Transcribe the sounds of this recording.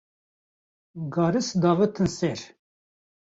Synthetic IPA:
ɡɑːɾɨsd̪ɑːvɨt̪ʰɨnsɛɾ

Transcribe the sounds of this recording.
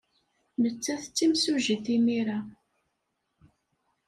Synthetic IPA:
nət͡sːæθət͡sːimsuʒiθimiɾa

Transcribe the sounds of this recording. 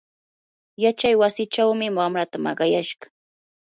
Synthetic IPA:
jat͡ʃajwasɪt͡ʃawmɪwamɾat̪amɑ̰ɢɑjaʃɢɑ̥

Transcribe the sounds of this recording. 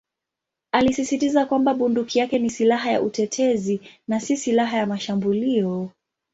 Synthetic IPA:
alisisitizakwambaɓundukijakɛnisilaɦaja̰ʔutɛtʰɛzinasisilaɦajamaʃambuliɔ

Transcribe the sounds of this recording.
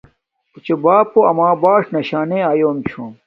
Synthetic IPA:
ut͡ɕobaːpoɐmãːbaːʂnɐɕaːnẽaːjoːmt͡ɕʰõːm

